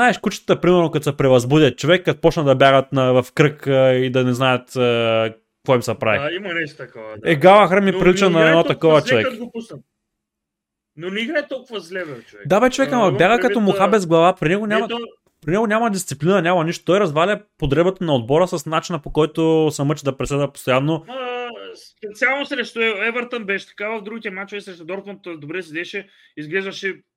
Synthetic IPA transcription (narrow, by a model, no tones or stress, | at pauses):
zaɛʃkut͡ʃ̪ə̥t̪əpɾimɛɾnokɐt̪osɛpɾɛvɐzbud̪ʲɐt̪̚t͡ʃovɛkːat̪pɔt͡ʃnɐd̪ɐbjaɡət̪nɐvɐfkɾɤkːid̪ɐnɛznaɛt̪ə | kːvɔimsɐpɾa̰vḭimnɛt̪koɛɡalˠɐxɾamipɾilit͡ʃnɐɛd̪nɔt̪ɐkɔvɐt͡ʃovɛk̪ɡopusn | noniɡɛt̪ɔlˠkʊvɐzlɛbɛɛd̪abɛt͡ʃovɛkamɐbbjaɡəkɐt̪omoxabɛzɡlˠɐvapɾʲinɛɡonʲamɐ | pɾinɛɡonʲamɐd̪ist̪siplinɐnʲamɐniʃt̪o̥t̪ɔjɾɐzvalʲɐpod̪ɾɛbət̪ɐnɐod̪̚bɔɾəsɐsnat͡ʃinɐpokɔjt̪ʊsɐmət͡ʃɛd̪ɐpɾɛslɛd̪ɐpo̥st̪ojanːo | spɛt̪sʲalˠnosɾɛʃt̪oɛvəɾt̪ənbɛʃɛ̥t̪ɐ̥kavɐvd̪ɾuɡʲit̪iɛmat͡ʃovɛksɾɛʃt̪od̪ɔɾt̪mont̪d̪obɾɛsɛd̪ɛʃɛ | izɡlɛzvɐʃɛ